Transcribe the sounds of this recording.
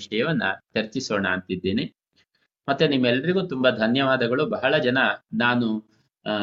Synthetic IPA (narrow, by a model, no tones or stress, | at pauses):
ʂɐjɐʋɐnːɐ̰t̪ʰeɾt͡ʃisoːɳaːnt̪id̪ːeːni | mɐt̪ːunimːɛlːɐɾiɡuːt̪umbɐd̪ʱɐnjɐʋaːd̪ɐɡɐɭubɐɦɐɭɐd͡ʒɐnɐnaːnu